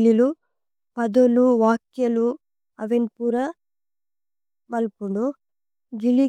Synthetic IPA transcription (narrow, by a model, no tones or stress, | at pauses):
lːilu | pɐd̪oluʋaːkjɐlu | ɐʋenpuːɾɐ | mɐlpuɳɖu | d͡ʒilːi